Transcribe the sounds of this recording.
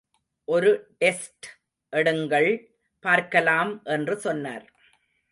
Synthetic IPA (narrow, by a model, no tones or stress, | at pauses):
ʔɔɾɯʈɛsʈ | ʔɛɽɯŋɡɐɭ | paːɾkɐlaːmʔɛndrɯsɔnːa̰ːɾ